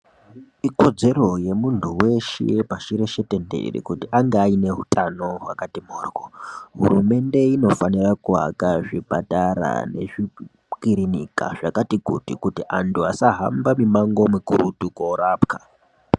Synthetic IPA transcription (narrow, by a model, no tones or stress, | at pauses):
iko̞d͡ze̞ro̞je̞muntʰuwe̞ʃḛpaʃiɾe̞ʃetendḛḭrḭkutiʔaŋɡaːine̞ɦutano̞ɦwakatimoːrwoɦṵɾume̞nde̞ino̞fanirakuɦa̰kaʐipataɾa̰ne̞̰ʐi | kiɾinika̰ʐakatikutikutiʔantʰuasaɦambamimaŋɡo̞mikuɾutukoɾaːpka